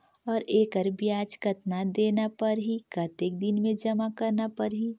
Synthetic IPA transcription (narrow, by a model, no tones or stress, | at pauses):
ɔːɾeːkəɾbiaːd͡ʒkɐt̪nad̪eːnapɐɾɦikɐt̪ek̚d̪ɪnmẽd͡ʒɐmakɐɾnapɐɾɦi